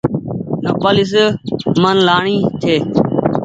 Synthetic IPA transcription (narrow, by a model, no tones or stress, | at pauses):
nəpəlɪs̬mənlaːɳiːt̪ʰeː